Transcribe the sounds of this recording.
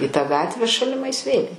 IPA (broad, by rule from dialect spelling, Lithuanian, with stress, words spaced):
iː tɑː ˈɡɑːtʲʋʲæː ʃɐlʲɪˈmɐɪs ʋʲeːlʲ